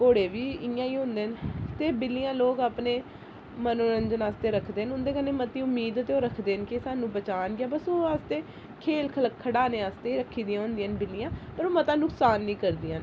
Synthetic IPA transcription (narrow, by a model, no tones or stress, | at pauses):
koːɽeːʋiːɪjãːiːɦʊ̃nd̪eːnt̪eːbɪlːijãːloːkaːpneː | mənoːɾənd͡ʒənaːst̪eːɾəkʰd̪eːənʊnd̪eːkənːeːmət̪iːʊmiːd̪t̪eːoːɾəkʰd̪eːnkɪsaːnũːbət͡ʃaːnɡɪjaːbəsoːaːst̪eː | kʰeːlkʰələkʰːəɽaːneːaːst̪eːiːɾəkʰːiːd̪ɪjãːɦʊ̃nd̪ijãːnbɪlːɪjãːpəɾoːmət̪ãːnʊksaːnːĩːkəɾd̪iːãːn